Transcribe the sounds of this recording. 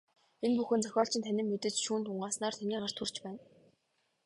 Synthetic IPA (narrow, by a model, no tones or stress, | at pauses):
enpuxɘ̆nt͡sœxʲɔːɬt͡ɕɪ̆nt̪ʰænʲɪ̆mːet̪ɘ̆t͡ɕʃuːnt̪ʰʊɴɢaːsnaːrt̪ʰæniːʁə̆r̥t̪xur̥t͡ɕpæːn